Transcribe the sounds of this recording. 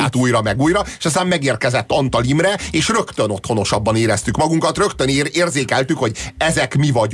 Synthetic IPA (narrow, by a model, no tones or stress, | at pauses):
t̪uːjɾɒmɛɡuːjrɒeʃɒst̪aːmmɛɡeːrkɛzɛt̪ːɒnt̪ɒlimrɛeːʃrø̞kt̪ø̞no̞t̪ho̞no̞ʃɒbːɒneːɾɛst̪ykmɒɡuŋkɒt̪rø̞kt̪øneːrzeːkɛlt̪ykho̞ɟɛzɛkmivɒɟ